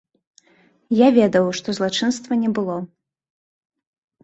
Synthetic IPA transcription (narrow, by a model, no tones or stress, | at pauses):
javʲɛd̪ɐwʂt̪ɔzlˠat͡ʂɨnst̪vɐnʲɛbɨlˠɔ